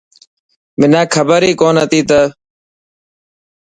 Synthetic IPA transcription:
mɪnãːkʰəbəɾiːkoːnɦət̪iːt̪ə

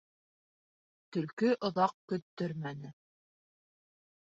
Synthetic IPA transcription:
t̪ɵ̆lkɵʔŏðɑq̚kɵ̆t̪ːɵɾmænɘ

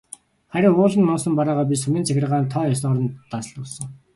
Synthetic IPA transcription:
χæɾʲɪ̆ŋʊːɮə̆nmɔɴsə̆mpaɾaːʁœːp̬ʲisɵmʲiːnt͡sʰæxʲɪ̆rʁaːnt̪ʰɔːjɔs̬ɔrə̆nt̪ːasɮʊːsɞ̆ŋ

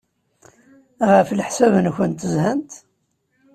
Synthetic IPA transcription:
ʁəflħsævnçənt̪əzhænt̪

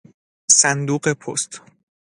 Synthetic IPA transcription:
sænd̪uːɢepʰo̰st̪

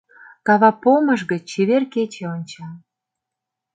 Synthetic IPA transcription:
kɑβɑpomə̆ʒɣət͡ɕeβerket͡ɕeonʲt͡ɕɑ

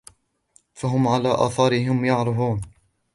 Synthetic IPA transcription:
faɦʊmʕalaːʔa̰ːθɑːɾɪɦɪmjɑʕɾˤɑfuːn

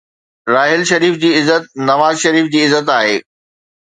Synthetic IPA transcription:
ɾaːɦɪlʃɐɾiːfd͡ʑiːɪzət̪̚nɐʋaːzʃɐɾiːfd͡ʑiːɪzːət̪aːɦeː

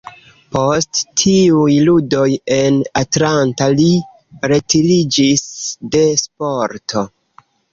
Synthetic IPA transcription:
po̞sttʰiujludo̞je̞natlantali | ɾe̞tiɾid͡ʒisde̞spoɾtʰo̞

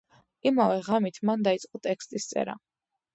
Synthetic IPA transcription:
imavɛʁamit̪ʰmand̪ait̪sʼqʼɔt̪ʼɛkst̪ʼist̪sʼɛ̰ɾa̰

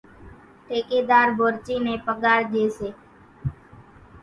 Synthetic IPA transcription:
ʈeːkeːd̪aːɾbʱoːɾt͡ʃiːnẽːpəɠaːɾd͡ʒeːseː

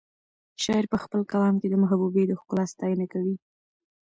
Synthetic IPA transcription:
ʃɑjɪɾpəxpəlkawɑmked̪əmʊɦabubed̪əxkʊlɑst̪ɑjənakawi

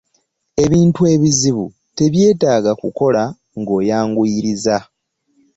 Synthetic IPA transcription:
e̞βiːntue̞ːβiziβu | te̞βje̞ːtaːɡakuko̞la | ŋɡo̞ːjaːŋɡuiɾiza

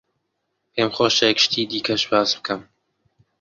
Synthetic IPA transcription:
eːmxoːʃekʃt̪ʰiːd̪iːkʰɐʃbaːsbɨkʰɨm

